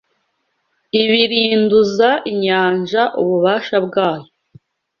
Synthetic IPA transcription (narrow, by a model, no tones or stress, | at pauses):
iβiɾiːnduzaʔiɲaːnʒaʔuβuβaːʃabɡaːjo